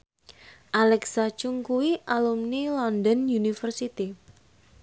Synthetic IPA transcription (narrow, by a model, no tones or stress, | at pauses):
ʔalɛksat͡ʃuŋkuwiʔalumnilɔndənjunifərsit̪i